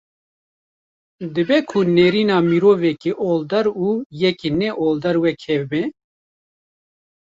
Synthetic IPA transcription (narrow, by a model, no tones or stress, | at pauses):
d̪ɨbɛkʰʊneːɾiːnɑːmiɾoːvɛkeʔoːld̪ɐɾuːjɛkinɛʔoːld̪ɐɾwɛkʰɛvbɛ